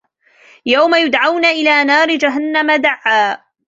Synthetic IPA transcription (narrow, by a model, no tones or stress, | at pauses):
jawmajʊd̪ʕawnaʔɪlaːnaːɾɪd͡ʒaɦanːamad̪aʕːaː